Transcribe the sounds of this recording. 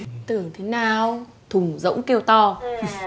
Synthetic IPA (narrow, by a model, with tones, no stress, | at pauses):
t̪ɨ˨˩əŋt̪ʰe˨˦naː˨˩w | t̪ʰʊ˨˩ŋ͡mzə̰˧˥wŋ͡mke˧əwt̪ɔ˧